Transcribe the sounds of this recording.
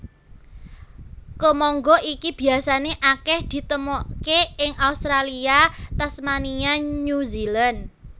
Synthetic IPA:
kəmɔŋɡɔʔikib̥i̤asaneʔakɛhd̪̥i̤t̪əmɔʔkeɪŋʔaust̪ɾaliat̪asmaniaɲuzilan

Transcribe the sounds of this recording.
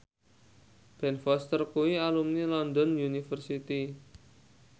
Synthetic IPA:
b̥ɛnfɔst̪ərkuwialumnilɔnd̪ɔnjunifərsit̪i

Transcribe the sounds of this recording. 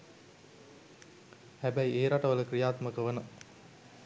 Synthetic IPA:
hæbɐieːɾaʈɐʋələkɾijaːt̪mɐkəʋɐnɐ

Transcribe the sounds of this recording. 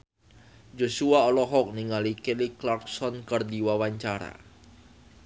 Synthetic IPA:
d͡ʒosuaɔlɔɦɔk̚niŋalikeliklarksɔnkərdiwawaɲt͡ʃaɾa̰

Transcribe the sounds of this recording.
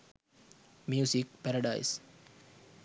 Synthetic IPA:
mjuːsik̚pɛɾɐɖaɪs

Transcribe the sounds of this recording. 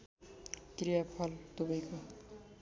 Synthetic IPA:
krijapʰʌlt̪ubʌjko

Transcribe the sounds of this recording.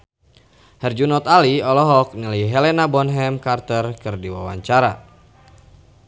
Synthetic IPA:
hɛrd͡ʒunɔt̪aliɔlɔɦɔk̚niləjɦɛlɛnabɔnɦɛmkart̪ərkɨrdiwa̰wa̰ɲt͡ʃaɾa

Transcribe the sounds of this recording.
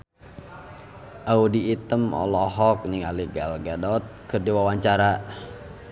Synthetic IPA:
ʔaudiːt̪əmɔ̰lɔɦɔk̚niŋaliɡalɡadɔt̪̚kɨrdiwawaɲt͡ʃaɾa

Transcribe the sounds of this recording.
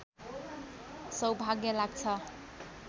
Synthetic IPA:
sʌwbʱaɡjʌlaɡ̚t͡sʰʌ

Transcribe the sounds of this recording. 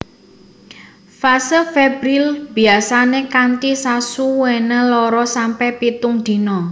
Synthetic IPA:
fasəlfɛbɾilb̥i̤asanekant̪isasuwenalɔɾɔsampɛpit̪uŋd̪̥i̤nɔ

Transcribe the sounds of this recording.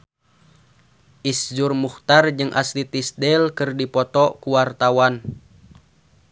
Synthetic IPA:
ʔisd͡ʒurmuxt̪ard͡ʒɨŋʔa̰slit̪isdɛlkɨrdipɔt̪ɔkuwart̪awan

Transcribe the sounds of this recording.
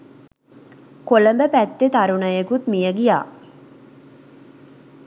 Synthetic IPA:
koləmbəpæt̪ːet̪aɾunəjekut̪mijəɡija̰ː

